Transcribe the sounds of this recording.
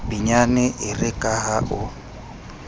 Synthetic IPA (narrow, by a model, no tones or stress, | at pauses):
b̥iɲanɛʔɪrɪkʼaɦaʔʊ